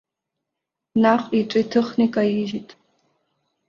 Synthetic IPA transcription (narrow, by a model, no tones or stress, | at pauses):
naχʷʼiʈ͡ʂʼitʰɨχnikʼajiʒitʼ